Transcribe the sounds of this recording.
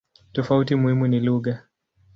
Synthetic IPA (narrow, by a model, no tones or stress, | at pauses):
tɔfautimuhimuniluɣa